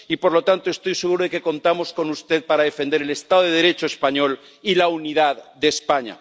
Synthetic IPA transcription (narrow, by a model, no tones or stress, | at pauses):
ipo̞ɾlo̞t̪ant̪oe̞st̪o̞jse̞ɣ̞uɾoeke̞ko̞nt̪amo̞sko̞nust̪e̞ð̚paɾaðe̞fe̞nd̪e̞ɾele̞st̪aðoð̞e̞ðeɾet͡ʃoespaɲo̞l | ilaunið̞aððespaɲa̰